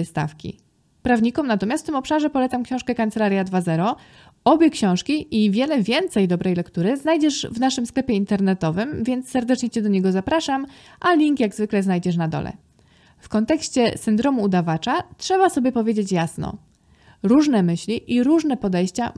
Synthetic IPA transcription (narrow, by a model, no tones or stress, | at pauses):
st̪a̰fkʲḭ | pɾavɲikɔmnat̪ɔmjasft̪mɔpʂaʐɛpɔlɛt̪samkɕɔ̃w̃ʂkɛkant̪sɛlaɾʲjad̪vazɛɾɔ | ɔbʲjɛkɕɔ̃w̃ʂkʲiʔivʲjɛlɛvʲjɛnt̪sɛjd̪ɔbɾɛjlɛkt̪uɾɘznajd͡ʑɛʐvnaʂɘmsklɛpʲjɛint̪ɛɾnɛt̪ɔvɘmvʲjɛnt̪ssːɛɾd̪ɛt͡ʂɲɛt͡ɕɛd̪ɔɲɛɡɔzapɾaʂam | ʔalʲiŋkjaɡzvɘklɛzajd͡ʑɛʂnad̪ɔ̰lɛ̰ | fkɔnt̪ɛkɕt͡ɕɛsɘnd̪ɾɔmuːd̪avat͡ʂatʂɛβasɔbʲjɛpɔvʲjed͡ʑet͡ɕjasnɔ̰ | ɾuʐnɛmɘɕlʲiʔiɾuʐnɛpɔd̪ɛjɕt͡ɕa